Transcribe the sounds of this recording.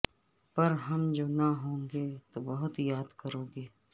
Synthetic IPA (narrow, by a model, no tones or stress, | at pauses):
pɐɾɦɐmd͡ʒoːnɐɦõːŋɡeːt̪oːbɐɦʊt̪jaːd̪kɐɾoːɡeː